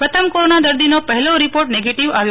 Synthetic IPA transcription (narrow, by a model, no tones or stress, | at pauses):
pət̪ʰəmkoɾonad̪əɾd̪inopəɦɛloɾipoɾʈneɡeʈiʋaʋjo